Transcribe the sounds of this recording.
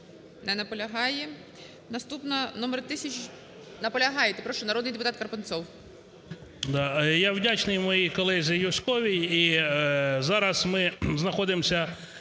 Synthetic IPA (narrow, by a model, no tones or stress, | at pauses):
nɛnɐpɔlʲɐɦɑjɛ | nɐst̪upnɐnɔmeɾt̪ɪsʲɐt͡ʃ | nɐpɔlʲɐɦɑjɛt̪ɪpɾɔʃɔnɐɾɔd̪nɪjd̪epʊt̪ɑt̪̚kɐrpɐnt̪sɔw | d̪ɑjawdʲat͡ʃnɪjmɔjikɔlˠɛzʲɪjʊskɔʋʲiji | zɑɾɐsmɪznɐxɔd̪ɪmsʲɐ